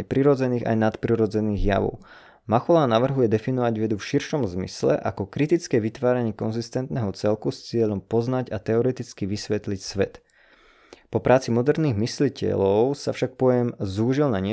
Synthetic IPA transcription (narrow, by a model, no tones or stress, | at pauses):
ɛpɾiɾɔd͡zɛniːɣa̰jnat̪pɾiɾɔd͡zɛniːɣja̰ʋɔ̰ʊ | maxɔlaːnaʋr̩ɦujɛd̪ɛfinɔʋaɟʋɛd̪ufʃiɾʃɔmzmḭslɛ̰ʔakɔkɾit̪it͡skɛːʋit̪ʋaːɾaɲɪɛkɔnzist̪ɛnt̪nɛːɦɔt͡sɛlkust͡sɪɛʎɔmpɔznaɟat̪ɛɔɾɛt̪it͡skiʋisʋɛt̪licsʋɛt̪ | pɔpɾʔaːt͡simɔd̪ɛɾniːɣmislicɛ̰lɔʊsafʃak̚pɔjɛmzuːʒilnaɲɪɛ